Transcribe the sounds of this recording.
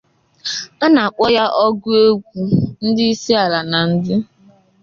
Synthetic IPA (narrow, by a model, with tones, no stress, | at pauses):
a˦na˨a˨k͡pɔ˦ja˦ʔɔ˦ɡʊ˦e˦ɡʷu˨n̩˦dɪ˦i˦si˦a˨la˨na˨n̩˦dɪ˦